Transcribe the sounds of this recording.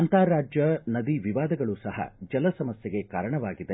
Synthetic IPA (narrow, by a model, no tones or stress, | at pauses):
ɐnt̪aːɾaːd͡ʒjɐnɐd̪iʋiʋaːd̪ɐɡɐɭusɐhɐ̰d͡ʒɐlɐsɐmɐsjɐɡe̞kaːɾɐɳɐʋaːɡid̪e